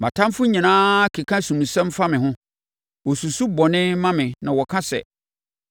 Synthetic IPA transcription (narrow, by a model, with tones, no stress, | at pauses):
mã̰˨tʰã˦m˦fʊ˦ɲĩ˨nãː˦kʰe˨kʰã˦sũ˨mũ˨sɛ̃˦mfa˦mɪ̃˨ɦʊ̃˦ | wɔ˨su˨su˦bɔ˨nɪ̃˦mã˦mɪ̃˨nã˨wɔ˨kʰa˦sɛ̰˨